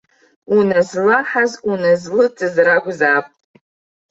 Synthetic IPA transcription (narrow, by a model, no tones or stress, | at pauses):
unazlaħazunazlɨt͡sʼɨzraɡʷzaːpʼ